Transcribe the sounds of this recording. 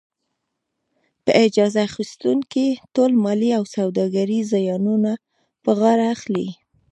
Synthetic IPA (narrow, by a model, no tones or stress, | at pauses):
pəʔɪd͡ʒɑzaxist̪uŋkitolmɑliawsawd̪ɑɡaɾizajɑnuna | pəɣɑɾaːxlḭ